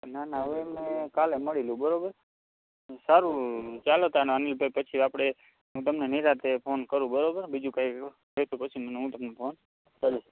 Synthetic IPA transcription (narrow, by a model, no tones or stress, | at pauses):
nanaʋuemnekaleməɽilũbəɾobəɾ | saɾũt͡ʃalot̪anənilbʱəpət͡ʃʰiapɽ̃e | ɦũt̪əmneniɾat̪epʰonkəɾũbəɾobəɾbid͡ʒũkaik | ɦet̪upət͡ʃʰinnɦũt̪əmnupʰon | t͡ʃəlu